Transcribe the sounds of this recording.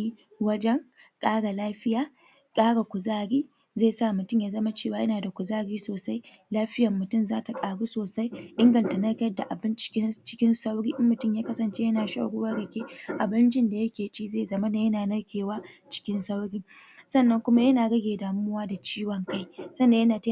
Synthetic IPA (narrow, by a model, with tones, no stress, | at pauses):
i˦ | wɐ˦d͡ʒɛ˦ŋ | kʼaː˦ɽa˨laː˦ɸɪ˦jaː˨ | kʼaː˦ɽa˨kʷʊ˨zaː˦ɽiː˦ | zeː˦˨sa˦˨mʊ˨tʊ˦˨ɲjaː˨zɐ˦ma˦t͡ʃeː˦˨waː˦jɐ˦naː˨da˨kʷʊ˨zaː˦ɽiː˦soː˨sa˦j | laː˦ɸɪ˦jɐ˨mːʊ˨tʊ˦˨mzaː˦ta˨kʼaː˨ɽuː˦soː˨sa˦jʔɪ˦ŋɡɐ˨nta˨nɐ˦kʲɐ˦rda˨ʔa˨bɪ˦nt͡ʃɪ̥˦kʲɪ˦t͡ʃɪ̥˦kʲɪ˦nsa˦wɽiː˦ʔɪ˦mmːʊ˨tʊ˦mjaː˦kɐ˦sɐ˨nt͡ʃe˦jɐ˦naː˨ʃa̰˦˨ɽʊ˦wa˦ɽɐ˨kʲeː˦ʔa˨bɐ˦nt͡ʃɪ˦nda˨jɐ˦kʲeː˨t͡ʃʼiː˦zeː˦˨zɐ˦ma˦naː˨jɐ˦naː˨nɐ˦ɽkʲeː˨waː˦t͡ʃɪ̥˦kʲɪ˦nsa˦wɽiː˦sɐ˦˨nːɐ˦ŋkʷʊ˦ma˦jɐ˦naː˨ɡɐ˦ɡʲeː˨daː˨mːʊ˦waː˦da˨t͡ʃiː˦wɐ˨ŋka˦jsɐ˦nːa˨jɐ˦naː˨ta˦